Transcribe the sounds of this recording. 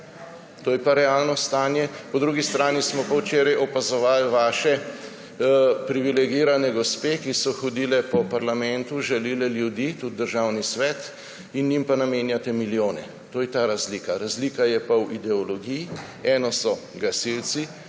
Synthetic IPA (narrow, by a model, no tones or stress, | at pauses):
t̪oːjɛpaɾɛalnɔst̪aːnjɛpɔd̪ɾuɡist̪ɾaːnismɔpawt͡ʃeːɾajʔɔpazɔʋaːlʋaːʃɛ | pɾiʋilɛɡiːɾanɛɡɔspeːkisɔxɔd̪iːlɛpɔpaɾlamɛnt̪uʒɛliːlɛljud̪iːt̪ud̪̚d̪əɾʒawnisʋɛt̪ | injimpanameːnjat̪ɛmiljoːnɛ | t̪oːjɛt̪aːɾazliːkaɾazliːkajɛpawid̪ɛɔlɔɡiji | ɛːnɔsɔɡasilsi